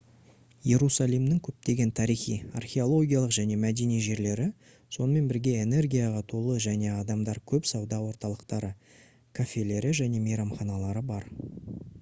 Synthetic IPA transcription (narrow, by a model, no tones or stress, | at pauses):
je̞ɾusalˠimnɪŋkʲʰɵp̚t̪e̞ɡʲe̞nt̪ʰɑɾijχija̰rχʲe̞o̞lˠo̞ɡʲijalˠəqʒæne̞mæd̪e̞nijʒe̞ɾle̞ɾɪ | so̞nəme̞nbɪɾɡʲe̞ene̞rɡʲijaʁɑt̪ʰolˠəʒæne̞ɑd̪ɑmd̪ɑɾkʲʰɵpsɑwd̪ɑwo̞ɾt̪ɑlˠəqt̪ɑɾə | kʰafʲe̞le̞ɾɪʒæne̞mejɾɑmχɑnɑlˠɑɾəbɑɾ